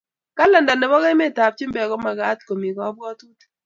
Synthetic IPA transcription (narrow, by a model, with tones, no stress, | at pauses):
ka˦lɛ˨nda˨nɛ˨bɔ˦ɣɛ˦me˦˨ta˨p̚t͡ʃi˦mbɛ˨kɔ˦ma˨ɡa˦t̚ko˨mi˨ɡɔ˨˦bɡɔ˦tu˦t